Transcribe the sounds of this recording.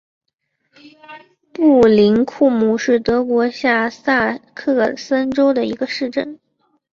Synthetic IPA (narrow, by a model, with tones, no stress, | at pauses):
pu˥˩li˧˥nkʰu˥˩mu˥˩ʂɻ̩˥˩t̪ɤ˧˥kwɔ˧˥ɕja˥˧sa˥˧kʰɤ˥˩sə˥nʈ͡ʂo˥ʊd̪ə˨i˧˥ɡə˧ʂɻ̩˥˧ʈ͡ʂə˥˩n